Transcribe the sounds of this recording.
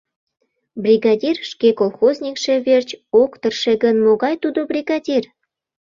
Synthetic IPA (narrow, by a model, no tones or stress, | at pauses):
brʲiɣɑdʲirʃkekolˠxozʲnʲikʃeβert͡ɕokt̪ərʃeɣənmoɣɑjt̪ud̪obrʲiɣɑdʲir